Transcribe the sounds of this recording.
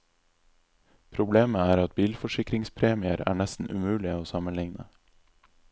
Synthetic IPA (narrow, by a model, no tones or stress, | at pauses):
pʰɾʊbleːməæːɾɑt̪̚biːlfɔʃɪkɾɪŋspʰɾeːmɪəɾæ̰ːɳɛst̪n̩ʔʉ̰mʉːlɪəoːsɑmənlɪŋnə̰